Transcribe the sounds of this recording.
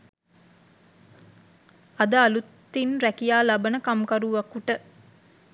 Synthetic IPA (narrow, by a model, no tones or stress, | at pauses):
ɐd̪əalut̪ːinɾækijaːlabənəkamkaɾuʋakuʈə